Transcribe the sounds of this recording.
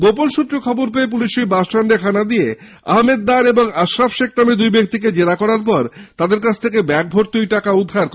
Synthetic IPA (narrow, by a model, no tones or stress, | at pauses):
ɡoponʃut̪ːɾekʰɔboɾpeep̬uliʃijbaʃʈʰaɳɖekʰanad̪ije | a̰ɦmed̪̚ːaɾeboŋaʃɾafʃeknamed̪ujbek̚t̪ik̬ed͡ʑeɾakɔɾaɾp̬ɔɾt̪ad̪eɾkat͡ɕʰt̪ʰekebɛk̚bʱoɾt̪ujʈakaud̪ʱːaɾk